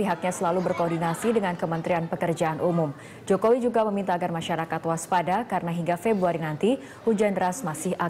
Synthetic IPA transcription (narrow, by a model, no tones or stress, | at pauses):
piɦak̚ɲasəlalubərkoːrdinasidəŋankəmənt̪ɾianpəkərd͡ʒaʔanʔumʊm | d͡ʒokowid͡ʒuɡaməmint̪aːɡarmaʃaɾakat̪waspadakaɾənaɦiŋɡafebɾuaɾinant̪i | hud͡ʒandəɾasmasɪha